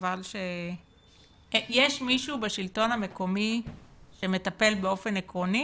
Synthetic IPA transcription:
valʃe | jeʃmiʃubaʃilto̞name̞ko̞miʃeme̞t̪ape̞lbeo̞fe̞nekʁo̞ni

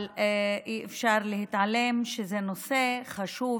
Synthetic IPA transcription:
lʔiefʃaʁlehit̪ʕale̞mʃezeno̞se̞χaʃu

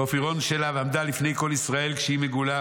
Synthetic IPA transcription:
ofiʁo̞nʃelaveamd̪alifne̞jko̞lisʁae̞lkʃeimeɡula

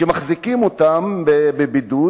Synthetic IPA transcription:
emaχzikimotambebebidu

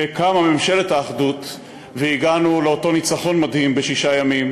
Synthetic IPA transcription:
ekamame̞mʃe̞lethaːχdut | veiɡanuleo̞to̞nit͡saχo̞nmadhimbeʃiʃajamim

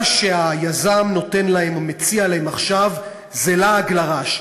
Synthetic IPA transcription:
ʃeajazamno̞te̞nlaemamet͡sialaemaχʃav | zelaːɡlaʁaʃ

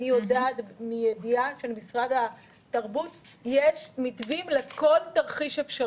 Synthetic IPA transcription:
ijodadmijediaʃelemisʁadha | tɐʁbutjeʃmitvimlekʰo̞ltɐʁχiʃefʃa

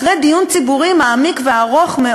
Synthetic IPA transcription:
ʁejd̪ijunt͡sibuʁimaːmikveaʁoχme

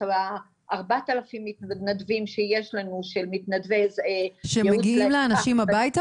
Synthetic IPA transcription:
a | ʔaʁbat̪alafimːit̪nnadvimʃejeʃlanuʃelmit̪nad̪vezeʃemeɡiimleanaʃimabajt̪a

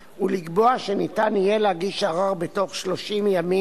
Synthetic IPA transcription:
uliɡbo̞aʃenitanijeleaɡiʃaʁaʁbeto̞χʃlo̞ʃimjami

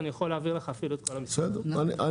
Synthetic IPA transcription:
nijaχoleːviʁleχaːfilot̪̚kolo̥sed̪ɛaniʔa

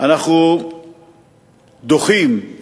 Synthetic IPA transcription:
ʔanaχnu | d̪oχim

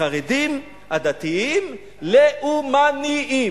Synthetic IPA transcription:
aʁedim | ad̪at̪iim | leʔumaniʔi

